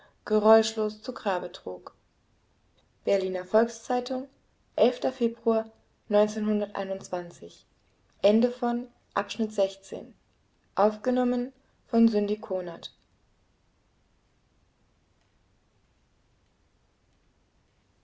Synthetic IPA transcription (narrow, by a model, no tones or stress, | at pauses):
ɡ̥əʁɔʏʃloːst͡suɡʁaːbətʁ̥uːk | b̥ɛɐliːnɐfɔlkst͡saɪtʊŋ | ʔɛlftɐfeːbʁuɐ | nɔʏnt͡seːnhʊndɐtʔa̰ɪnʊntt͡sv̥ant͡sɪç | ʔɛndəfɔn | ʔapʃnɪtz̥ɛçt͡sḛːn | ʔaʊfɡ̥ənɔmən | fɔnzʏndikʰoːnat